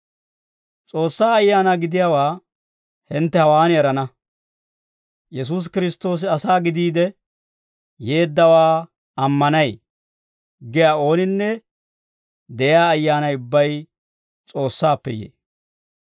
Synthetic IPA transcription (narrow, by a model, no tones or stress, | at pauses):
t͡sʼo̞ːsːaːɐjːaːnaːɡɪd̪ɪjaːwaː | hɪnt̪ːɛhɐwaːnɪɛɾɐnɐ | jɛs̬uːs̬kɪɾɪst̪o̞ːs̬ɪɐsaːɡɪd̪iːd̪ɛ | je̞ːd̪ːɐwaː | ɐmːɐnɐj | ɡɪjaːo̞ːnɪnːɛ | d̪ɛjɪaːjːaːnɐjʊbːɐj | t͡sʼo̞ːsːaːpːɛ̰jḛː